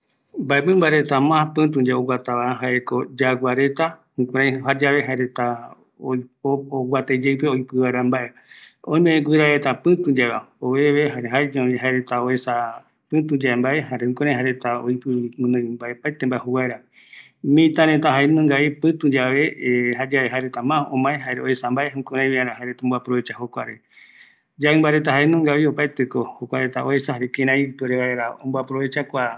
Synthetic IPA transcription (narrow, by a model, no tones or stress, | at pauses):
mbaemɨ̃mbaeɾet̪amãpɨ̃t̪̬ũd͡ʒaoɡwʷat̪aβaaɦaeɾekod͡ʒaɡʷaɾet̪ahũkʷãɾãj̃ɦad͡ʒaβeɦaeɾet̪a | oooɡʷwat̪ed͡ʒeɨpeojpɨβaɾambaʔe | õmẽʔẽɡʷɨɾaɾet̪apɨ̃t̪ũd͡ʒaβaoβeʋeɦaɦaed͡ʒõiɦaeɾet̪aoesa | pɨ̃t̪ũd͡ʒaembaʔeɦaɾehũkõɾ̃ãj̃ɦaɾet̪ao̰ikɨmɨ̃nɨ̃ɨmbaepajt̪embaeɦuwaeɾa | mĩt̪ãɾet̪aɦaenũŋɡaipɨ̃t̪ud͡ʒaβeɦad͡ʒaβeɦaeɾet̪amãõmãẽɦaeɾeoesambaeɦũkõɾãj̃βiãɾ̃ãɦaeɾet̪aõmboapɾoβet͡ʃahokʷaɾe | d͡ʒaɨ̃mbaɾet̪aɦaenũŋɡaβiopajt̪ekohokʷaɾet̪aoesahaɾekẽɾãipoɾeβaeɾaõmboapɾoβet͡ʃakʷa